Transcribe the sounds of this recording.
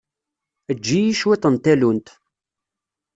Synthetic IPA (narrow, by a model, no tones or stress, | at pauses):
əd͡ʒːijiʃwit̪ˤənt̪ælunt̪